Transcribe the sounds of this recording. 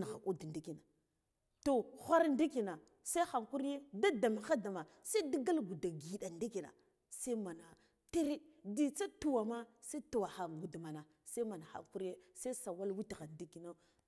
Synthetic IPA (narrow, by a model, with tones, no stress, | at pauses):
na˨ɣa̰˨ku˦dndi˦ki˨na˨ | to˨xʷa˦ɾndi˦ki˨na˨ | sa˦xa˨ŋku˦ɾje˦da˦da˨ma˨xa˦da˨ma˨ | sa˦di˦ɡa˦lɡu˨da˨ɡi˨ɗa˨ndi˦ki˨na̰˨ | sa˦ma˨na˨ | ti˦ɾe˦di˦˨t͡sa˦tu˨wa˨ma˦sa˦tu˨wa˨xa˨ŋɡu˨dma˨na˨ | sa˦ma˨na˨xa̰˨ku˦ɾje˦sa˦sa˨wa˦lwi˦ti˨ɣa˨ndi˦ki˨na˦